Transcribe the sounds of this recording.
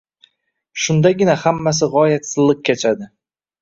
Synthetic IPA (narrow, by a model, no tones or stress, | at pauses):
ʃʊnd̪aɡʲɪnahamːas̬ɪʁɒjat̪sɨzlɪq̚kʲʰet͡ʃʰad̪ɪ